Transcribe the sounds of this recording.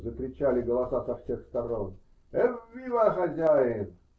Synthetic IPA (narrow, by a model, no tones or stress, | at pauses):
zəkɾʲɪt͡ɕalʲɪɡəlˠɐsasɐfsʲe̞xst̪ɐɾon | ɛvʲivaxɐzʲæjɪn